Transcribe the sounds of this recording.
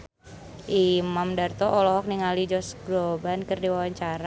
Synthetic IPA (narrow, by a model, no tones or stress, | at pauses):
ʔimamdart̪ɔʔɔlɔɦɔk̚niŋalid͡ʒɔsɡlobankɨrdiwawaɲt͡ʃaɾa